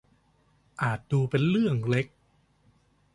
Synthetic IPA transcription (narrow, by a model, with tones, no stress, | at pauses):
ʔaː˨˩t̪̚duː˧pe˧nlɯ˥˩əŋle˦˥k̚